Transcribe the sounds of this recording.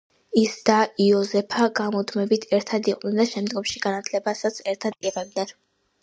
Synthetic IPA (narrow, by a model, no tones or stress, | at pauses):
isd̪aiɔzɛpʰaɡamɔd̪mɛbit̪ʰɛɾt̪ʰad̪iqʼwnɛnd̪aʃɛmd̪ɡɔmʃiɡanat̪ʰlɛbasat̪sʰɛɾt̪ʰad̪̚iʁɛb̚d̪nɛn